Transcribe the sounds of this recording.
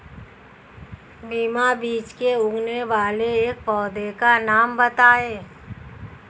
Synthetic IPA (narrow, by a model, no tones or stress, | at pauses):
biːmabiːt͡ʃkeʊ̃ŋɡneʋaːleeːkpɔːd̪ekanaːmbət̪aːeː